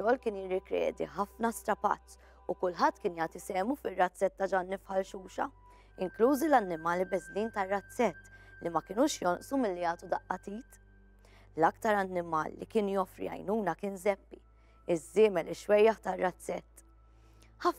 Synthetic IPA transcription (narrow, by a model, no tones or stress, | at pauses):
ɔːlkɪːnjɪrːɪkɾɛ̰ːd̪ḭħɐfnɐst̪ɾɐpɐ̰t͡sː | ukʊlħɐt̪ːkɪːnjɐːt̪isɛːmufɪrːɐt͡sːɛt̪ːɐd͡ʒɐːnːɪfħɐlʃuːʃɐ̰ | ɪŋkluːzilɐnːɪmɐːlibɛzliːnt̪ɐrːɐt͡sːɛt̪ːlimɐkɪnuːʃjɔnʔsumɪlːijɐːt̪ud̪ɐʔːɐt̪iːt̪ | lɐkt̪ɐɾɐnːɪmɐ̰ːlːḭkɪːnjɔfɾḭɐ̰jnuːnɐkɪːnzɛpːḭ | ɪzːɪːmɛlɪʃwɛjːɐħt̪ɐrːɐt͡sːɛt̪ː | ħɐf